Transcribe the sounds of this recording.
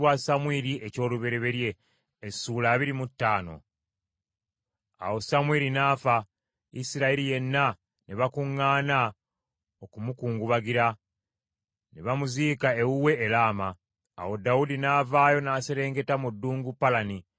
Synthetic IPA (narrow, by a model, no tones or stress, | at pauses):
wasamwiɾiʔeco̞ːluβe̞ɾe̞βe̞ɾje̞ː | suːlaːβiɾimutːaːno̞̰ | a̰wo̞samwiɾinaːfa | ḭsiɾaeɾije̞nːa | neβakuŋːaːna | okumukuːŋɡuβaɡiɾa | neβamuziːkaewuwe̞ːlaːma̰ː | wo̞dawudinaːvaːjo̞naːse̞ɾe̞ːŋɡe̞tamudːuːŋɡupːalani